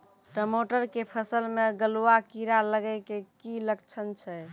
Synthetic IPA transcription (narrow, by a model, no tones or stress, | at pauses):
ʈəmoʈəɾkepʰəsəlmeɡəluakiɾaləɡəkekiləkt͡ʃʰənt͡ʃʰɛ